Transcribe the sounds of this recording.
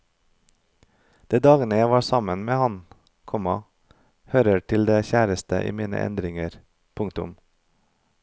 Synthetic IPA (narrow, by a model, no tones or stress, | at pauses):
d̪̥eːd̪ɑːɡənəjæɪʋɑːsɑmənmeːhɑn | kʰɔmɑ | høːɾəʈʰɪld̪eːçæːɾəst̪ə̰ʔḭːmiːnə̰ʔɛ̰nd̪ɾɪŋəɾ | pʰʊŋt̪ʊ̰m